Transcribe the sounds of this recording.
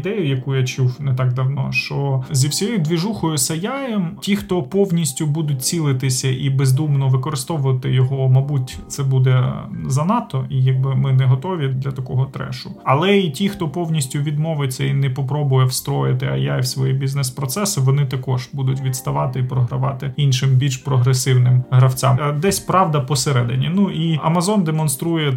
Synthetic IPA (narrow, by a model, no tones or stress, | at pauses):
d̪ɛjʊjɐkujat͡ʃuwnɛt̪ɑɡd̪ɐwnɔ̰ʃt͡ʃɔzʲiwsʲɔjɔd̪ʋʲiʒuxɔjʊsɐjajɛmtʲixt̪ɔpɔwnʲisʲtʲʊbud̪ʊtʲt͡sʲilˠɪt̪ɪsʲɐʔibezd̪umnɔʋɪkɔɾɨst̪ɔʋʊʋɐt̪ɪjɔɦɔmɐbutʲt̪sɛbud̪ɛzɐnɑt̪ɔijɐɡ̚bɪmɪnɛɦɔt̪ɔʋʲid̪lʲɐt̪ɐkɔɦɔt̪ɾɛ̰ʃʊɐlˠɛitʲixt̪ɔpɔwnʲisʲtʲʊʋʲid̪mɔʋɪt͡sʲːɐinɛpɔpɾɔbʊjɛwst̪ɾɔjɪt̪ɪɐ̰jajwsʋɔjibʲiznɛspɾɔt̪sɛsɪʋɔnɪt̪ɐkɔʒbud̪ʊtʲʋʲid̪st̪ɐʋɑt̪ɪipɾɔɦɾɐʋɑ̰t̪ɪinʃɪmbʲiʃpɾɔɦɾesɪwnɪmɦɾɐwt͡sʲa̰md̪ɛsʲpɾɑʋd̪ɐpɔseɾɛd̪ɪnʲinuʔiɐ̰mɐzɔnd̪emɔnst̪ɾujɛ